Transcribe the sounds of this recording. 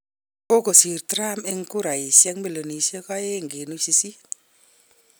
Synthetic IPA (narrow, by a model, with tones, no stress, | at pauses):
ko˦ko˨si˨ɾtɾa˦me˦ŋku˦ɾa˨i˨sja˦ŋmbe˦˨lo˨ni˨se˦ka˦je˦ŋɡe˨nu˦si˧si˦